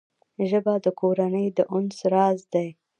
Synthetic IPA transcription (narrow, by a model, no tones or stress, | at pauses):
ʒəbad̪əkoɾanəjd̪əʔʊnsɾɑzd̪aj